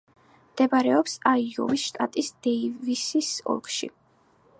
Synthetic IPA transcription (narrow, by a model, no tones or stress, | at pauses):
md̪̥ɛbaɾɛɔpsaiɔ̰visʃt̪ʼat̪ʼisd̪̥ɛivisisɔ̰lˠkʼʃḭ